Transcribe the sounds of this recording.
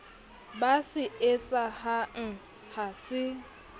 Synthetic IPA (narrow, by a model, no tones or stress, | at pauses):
basɪet͡sʼahaŋ̩ | hasɪ